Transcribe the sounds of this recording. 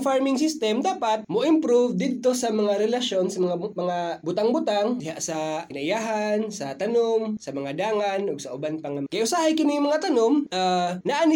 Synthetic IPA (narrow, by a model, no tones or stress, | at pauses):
faɹmɪŋs̬ɪst̪ɛmd̪aːpat̪̚moʔɪmpɾuvd̪ɪd̪̚t̪o̞sɐmɐŋaɾɛlɐʃjonsɐmɐŋamɐŋabʊt̪aŋbʊt̪aŋdɪɦaʔsɐkɪnaʔɪjaːɦansɐt̪ɐnomsɐmɐŋad̪aːŋanʔʊɡsɐʔʊbanpɐŋakɐjʔʊsaːhajkɪnɪŋmɐŋat̪ɐnomʔanaʔan